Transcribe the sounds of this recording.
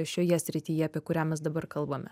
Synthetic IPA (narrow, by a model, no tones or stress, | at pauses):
ʃʲoːjɛsʲɾʲɪt̪ʲiːjɛɐpʲiɛkʊɾʲæːmʲɛsd̪ɐbɐɾkɐlˠbɐmʲɛ